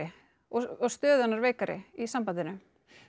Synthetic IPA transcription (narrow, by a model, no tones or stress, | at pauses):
ɪ | ɔɔst̪œːðanːaɾveːjkaɾɪ̰isampanðɪnʏ